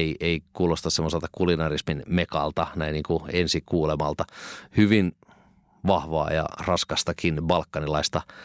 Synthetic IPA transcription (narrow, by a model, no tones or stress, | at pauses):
ieikuːlost̪ɑssemːoselt̪ɑ̥kulinɑrisminmekɑ̰lt̪ɑnæiniːŋkuensikuːlemɑlt̪ɑhyʋin | ʋɑhʋɑ̰ːjɑ̰rɑskɑst̪ɑkinbɑlkːɑnilɑist̪ɑ